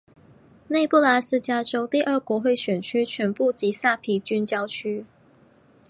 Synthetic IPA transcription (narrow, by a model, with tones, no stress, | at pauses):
ne˥˧ɪpu˥˩la˧˥sɹ̩˥t͡ɕja˥ʈ͡ʂo˥ʊt̪i˥˧ʔə˞˥˩kwɔ˧˥xwe˥˩ɪɕɥɛ˨˩nt͡ɕʰy˥t͡ɕʰɥɛ˧˥npu˥˩t͡ɕi˧˥sa˥˩pʰi˨˧˩t͡ɕy˥nt͡ɕjɑ˥ʊt͡ɕʰy˥